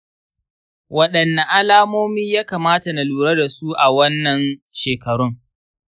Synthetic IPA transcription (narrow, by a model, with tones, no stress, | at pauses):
wɐ˦ɗɐ˨nːa˨ʔa˦laː˦moː˦miː˦jaː˦kaː˨maː˦ta˨na˨luː˨ɾɐ˦da˨su˦ʔa˨wɐ˦nːɐ˨nʃeː˨kɐ˨ɽʊ˦ŋ